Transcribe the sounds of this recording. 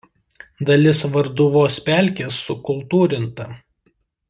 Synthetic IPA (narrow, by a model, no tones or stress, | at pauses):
d̪ɐlʲɪsʋɐɾd̪ʊʋoːspʲæˑlʲkʲeːsːʊkʊlˠt̪uːɾʲɪnt̪ɐ